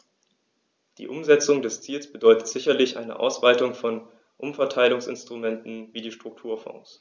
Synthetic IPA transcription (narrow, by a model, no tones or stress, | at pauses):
d̥ḭːʔʊmzɛt͡sʊŋdɛst͡siːlsb̥ədɔʏtə̥tz̥ɪçɐlɪçʔa̰ɪnə̰ʔa̰ʊsv̥aɪtʊŋfɔn | ʔʊmfɛɐtʰaɪlʊŋsɪ̰nstʁ̥umɛntn̩viːdiːʃtʁ̥ʊk̚tʰuːɐfɔ̰̃ŋs